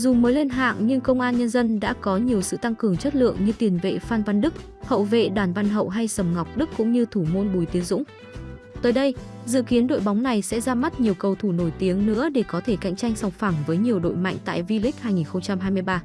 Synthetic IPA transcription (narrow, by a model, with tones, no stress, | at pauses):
zʊ˨˩məː˨˦jle˧nɦa̰ː˧˨ŋɲɨ˧ŋkə˧wŋ͡mʔaː˧nɲə˧nzə˧nɗa̰ː˧˥kɔ˨˦ɲi˨˩əwsɨ̰˧˨t̪a˧ŋkɨ˨˩əŋt͡ɕə˦˥t̚lɨ̰˧˨əŋɲɨ˧t̪i˨˩ənvḛ˧˨faː˧nva˧nɗɨ˦˥k̚ | hə̰˧˨wvḛ˧˨ɗwaː˧˩nva˧nɦə̰˧˨wɦa˧jsə˨˧˩mŋa˨˩wk͡p̚ɗɨ˦˥kːʊ̰˧˥ŋ͡mɲɨ˧t̪ʰu˧˩mo˧nɓu˨˦jt̪i˨˦əŋzʊ̰˧˥ŋ͡m | t̪əː˨˦jɗə˧jzɨ̰˧˨ki˨˦ənɗo̰˧˨jɓa˨˦wŋ͡mna˨˩jsɛ̰˧˥zaː˧ma˦˥t̚ɲi˨˩əwkə˨˩wt̪ʰu˧˩no˧˩jt̪i˨˦əŋnɨ̰˧˥əɗe˧˩kɔ˨˦t̪ʰe˧˩ka̰˧˨jŋ̟t͡ɕa˧jŋ̟sa˨˩wŋ͡mfa˧˩ŋvəː˨˦jɲi˨˩əwɗo̰˧˨jma̰˧˨jŋ̟t̪a̰ː˧˨jvi˧li˦˥k̟̚haː˧jŋi˨˩nxə˧ŋ͡mt͡ɕa˧mɦaː˧jmɨ˧jɓaː˧